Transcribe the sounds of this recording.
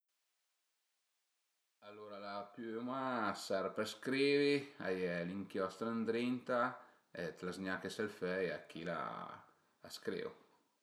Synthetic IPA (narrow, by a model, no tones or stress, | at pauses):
alːoɾalapymasaɾpɾɛskɾiːvia̰jɛliŋkjɔst̪ɾand̪ɾint̪a | ɛt̪lazɲakesɛlfɛjakʰila̰ | la̰skɾḛw